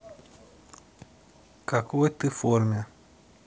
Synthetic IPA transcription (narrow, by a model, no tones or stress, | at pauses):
kakuet̪ɨfoɾmja